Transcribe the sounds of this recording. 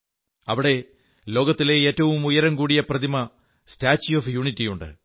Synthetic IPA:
ɐʋiɽe̞ | lo̞ːɡɐt̪ːile̞eːtːɐʋumujɐɾɐŋkuːɽijɐprɐd̪imɐ | staːt͡ɕːjoːfjuɳitːijuɳɖɨ̰

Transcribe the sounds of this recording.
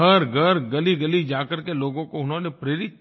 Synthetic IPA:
əɾɡəɾɡɐliɡɐlid͡ʒaːkəɾkeloːɡõkoʊnɦõːnepɾeːɾɪt̪̚

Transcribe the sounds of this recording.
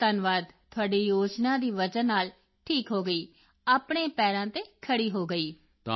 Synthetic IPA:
t̪ənʋaːd̪t̪ʰʊaːɖiːjoːd͡ʒnãːd̪iːʋəd͡ʒənːaːl | ʈʰiːkɦoːɡəiː | aːpɳ̃eːpɛːɾãːt̪eːkʰəɽiːɦoːɡəiː | t̪ː

